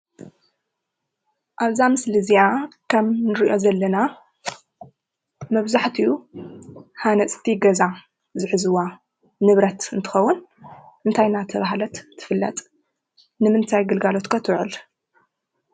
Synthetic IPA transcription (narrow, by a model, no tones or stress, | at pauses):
ʔaβzamɨslɨziakʰɐmnɨɾiʔo̞zɐlːɐna | mɐβzaħt̪ʰiju | hanɐt͡sʼt̪ʰiɡɐza | zɨħɨzɨwa | nɨβɾɐt̪ɨnt̪ʰɨ̥xɐwːʊn | ʔɨnt̪ʰajnat̪ʰɐβaɦlɐt̪ʰːɨ̥fɨlːɐ̰t̪ʼ | nɨmɨnt̪ʰajɡɨlɡalo̞t̪kʰɐt̪ʰɨwʕɨl